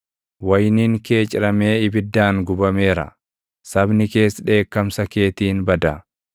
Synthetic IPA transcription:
wɐjniːŋke̞ːt͡ʃʼɪɾɐme̞ːɪbɪd̪ːaːŋɡʊbɐme̞ːɾɐ̰ | sɐbnɪke̞ːsᶑe̞ːkːɐmsɐke̞ːt̪iːnbɐd̪ɐ

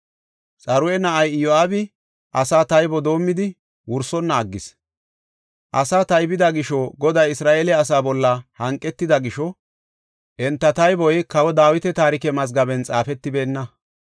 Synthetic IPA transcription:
t͡sʼɐɾʊɛnɐʔɐjjɔaːbɪ | ʔɐsaːt̪ɐjbɔd̪o̞ːmːɪd̪ɪ | wʊɾsɔnːɐːɡːɪs | ʔɐsaːt̪ɐjbɪd̪ɐɡɪʃɔɡɔd̪ɐjɪsɾaːʔeːlɛɐsaːbɔlːɐhɐŋkʼːɛt̪ːɪd̪ɐɡɪʃɔ | ʔɛnt̪ːɐt̪ɐjbɔjkɐwɔd̪aːwɪt̪ɛt̪aːɾɪkɛmɐz̬ɡɐbɛnt͡sʼaːfɛt̪ːɪbeːnːɐ

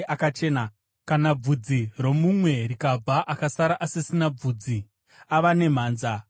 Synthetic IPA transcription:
ʔakat͡ʃe̞ːna | kanab͡vud͡ziro̞mumwe̞ɾikab͡vaʔakasaɾaʔasisinab͡vuːd͡zi | aʋane̞m̤aːnza

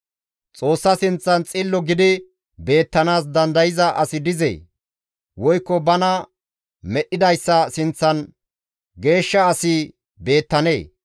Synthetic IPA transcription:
t͡sʼo̞ːsːɐsɪnt͡sːɐnt͡sʼɪlːɔɡɪd̪ɪ | be̞ːt̪ːɐnaːs̬d̪ɐnd̪ɐjɪzɐʔɐsɪd̪ɪzḛː | wɔjkːɔbɐnɐ | mɛɗːɪd̪ɐjsːɐsɪnt͡sːɐn | ɡe̞ːʃːɐːsɪ | be̞ːt̪ːɐne̞̰ː

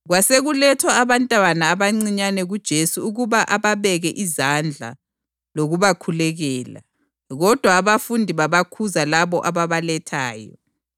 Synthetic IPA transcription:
ɣwaseɣulɛtʰwaːβantʼwanaːβaŋ͡ǀiɲanɛɣud̥ʒ̥ʱesuuɣuβaʔaβaβɛɣɛʔizand͡ɮʱa̰ | loɣuβakʰulɛɣɛːla̰ | ɣɔd̥ʱwaːβafundʱiβaβakʰuzalaβɔʔaβaβalɛtʰa̰ːjɔ̰

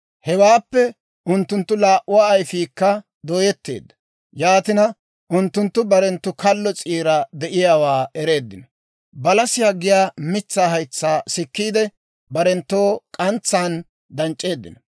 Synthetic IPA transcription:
hɛwaːpːɛ | ʔʊnt̪ːʊnt̪ːʊlaːʔʊwaːɐjfiːkːɐ | d̪oːjɛt̪ːe̞̰ːd̪ːɐ̥ | jaːt̪ɪnɐ | ʔʊnt̪ːʊnt̪ːʊbɐɾɛnt̪ːʊkɐlːɔt͡sʼiːɾɐd̪ɛʔɪjaːwaːɛɾe̞ːd̪ːɪnɐ | bɐlɐsɪjaːɡɪjaːmɪt͡sːaːhɐjt͡sːaːsɪkːiːd̪ɛ | bɐɾɛnt̪ːo̞ːkʼɐnt͡sːaːn | d̪ɐnt͡ʃʼːe̞ːd̪ːɪ̰nɐ

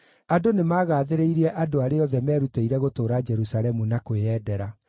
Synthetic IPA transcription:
adonemaːɣaːðeɾeiɾiɛʔadoaɾeɔðɛmɛːɾuteiɾɛɣotoːɾad͡ʒɛɾusalɛmunakoweɛdɛɾa

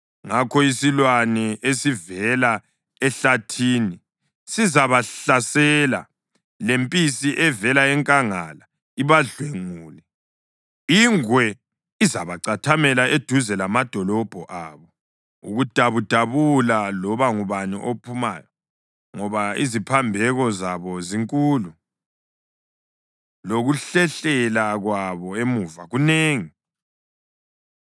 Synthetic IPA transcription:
ŋakʰɔisilwanɛesivɛla | ɛɬatʰiːni | sizaβaɬasɛla̰ | lempʼisiʔɛvɛlaɛŋkʼaŋa̰la | iβaɮweŋuːlɛ | iŋwɛ | izaβaǀatʰamɛlaʔed̥ʱuzɛlamad̥ʱɔlɔb̥ʱɔʔaβɔ | uɣud̥ʱaβud̥ʱaβulalɔβaŋuβanḭʔopʰumaːjɔ | ŋɔβaizipʰambʱɛɣɔzaβɔziŋkʼuːlu | loɣuɬɛɬɛlaɣwaβɔemuːvaɣuneːŋi

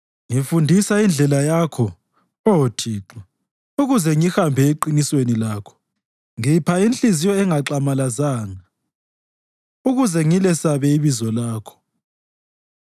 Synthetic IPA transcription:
ŋifundʱisaind͡ɮʱɛlajakʰɔ | otʰiːǁɛ | uɣuzɛŋixambʱɛeǃiniswenilaːkʰɔ̥ | ŋipʰainɬʼizijɔɛŋaǁamalazaːŋa | uɣuzɛŋilɛsaβɛiβizɔlaːkʰɔ̥

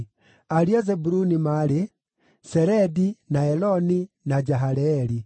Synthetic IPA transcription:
aɾiazɛbuɾunimale | sɛɾɛdinaɛlɔni | nad͡ʒaɦalɛli

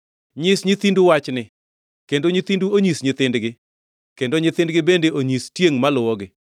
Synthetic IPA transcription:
ɲɪsɲit̪induwat͡ʃnɪ | kendoɲit̪induoɲisɲɪt̪ɪndɡɪ | kendoɲɪt̪ɪndɡɪbendeʔoɲistjeŋmalʊwɔɡɪ

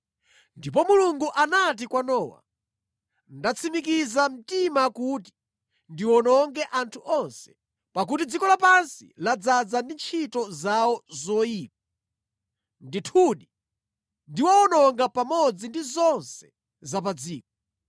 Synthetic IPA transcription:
ndip̬ɔmuluŋɡuʔanat̬ikwanɔːwa̰ | ndat͡sʰimikizam̩timakut̬i̥ | ndiwɔnɔŋɡɛʔantʰuʔɔnsɛ̥ | pak̬utid͡zikɔlapansḭlad͡zad͡zandint͡ʃʰitɔzawɔzɔjiːp̚a | nditʰuɗi | ndiwaɔnɔŋɡapamɔd͡zindizɔnsɛ̥ | zap̬ad͡ziːk̚ɔ

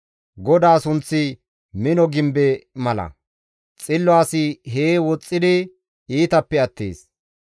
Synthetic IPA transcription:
ɡɔd̪aːsʊnt͡sːɪ | mɪnɔɡɪmbɛmɐlɐ̰ | t͡sʼɪlːɔaːsɪɦeːwɔt͡sʼːɪd̪ɪ | iːt̪ɐpːɛɐt̪ːḛːs

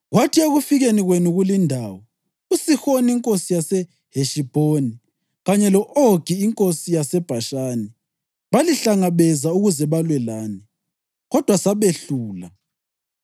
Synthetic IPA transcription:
ɣwatʰieɣufiɣeniɣwenuɣulindʱawɔ | usixoniŋkʼosijasɛ | heʃib̥ʱoni | ɣaɲɛlɔʔoɡ̥ʱiːŋkʼosijasɛb̥ʱaʃaːni | βaliɬaŋaβɛzauɣuzɛβalwɛlaːni | ɣɔd̥ʱwasaβeɬuːla̰

